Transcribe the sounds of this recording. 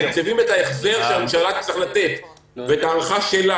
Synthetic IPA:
t͡sevimet̪aeχzeʁʃelammʃalat̪̚t͡sʁeχlat̪et̪ | veetaːlχaʃela

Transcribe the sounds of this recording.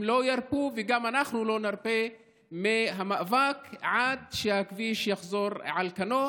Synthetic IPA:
mlo̞jaɾpuveɡamanaχnulo̞naɾpe | meɦamaʔvakʕad̪ʃehakviʃjaχzo̞ɾʕalkano̞

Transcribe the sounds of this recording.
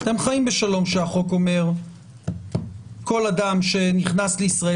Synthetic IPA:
at̪e̞mχaimbe̞ʃalo̞mʃeaχo̞ko̞me̞ʁ | ko̞lad̪amʃe̞niχnasleisʁae

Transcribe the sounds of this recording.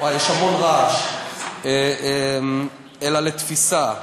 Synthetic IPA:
wajeʃhamonʁaʃ | em | elalet̪fisa

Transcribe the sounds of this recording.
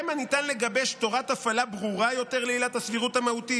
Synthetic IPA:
manitanle̞ɡabeʃto̞ʁat̪afalabʁuʁajo̞t̪e̞ʁleilathasviʁuthamahut̪i

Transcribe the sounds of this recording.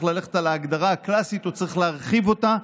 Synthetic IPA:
χlale̞χet̪alaːɡd̪aʁaːklasit̪ot͡saʁiχleaʁχivo̞t̪a

